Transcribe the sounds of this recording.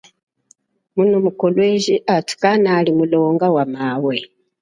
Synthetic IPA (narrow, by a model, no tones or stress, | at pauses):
munumukɔlwɛʒiʔatu̥kanalimulɔŋɡawamawɛ